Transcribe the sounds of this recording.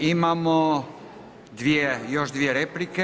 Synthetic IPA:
imamo | d̪ʋijejoʒd̪ʋijeɾeplike

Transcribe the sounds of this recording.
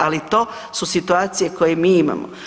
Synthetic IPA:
alit̪o̞ː | susit̪uaːt̪sijekojemiːima̰mo̰

